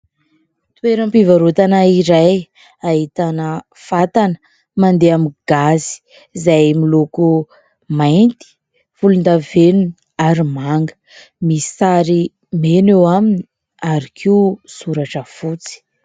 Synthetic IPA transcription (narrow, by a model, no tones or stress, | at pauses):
t̪weɾəmpivaɾut̪anaiɾaj | aɦit̪anə | fat̪anə̥ | mand̪eamiɡ̥azi̥ | zajmiloku | majnt̪i̥ | vulund̪avenuni | aɾimaŋɡə | misaɾi | menewamini̥ | aɾikʰisuɾaʈ͡ʂəfut͡si̥